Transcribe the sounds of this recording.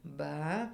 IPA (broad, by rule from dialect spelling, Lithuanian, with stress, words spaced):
ˈbɐ